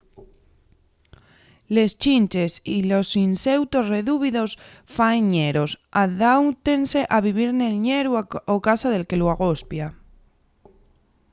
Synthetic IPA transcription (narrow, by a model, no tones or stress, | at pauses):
le̞st͡ʃint͡ʃe̞silo̞sinse̞wt̪o̞sre̞ðuβ̞iðo̞s | fanɲe̞ɾo̞saðawt̪e̞nse̞ʔaβ̞iβ̞iɾne̞lɲe̞ɾuaokasaðe̞lke̞loaɣ̞o̞spja